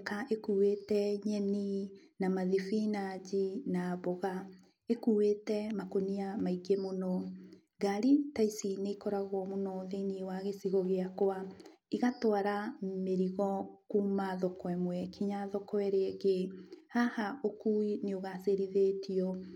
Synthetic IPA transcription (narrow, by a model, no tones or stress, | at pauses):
kaʔekuwetɛɲɛninamaðifinaɟinaβoɣa | ekuːwetɛmakoniamaiɡemonɔ | ɡaɾitaisineikɔɾaɣwɔmonɔðeiniewaɣesiɣɔɣeakoa | iɣatoaɾameɾiɣɔkumaðɔkwɛmwɛkʰiɲaðɔkɔɛɾeɛɣehahaʔokuineoɣaseɾiðetiɔ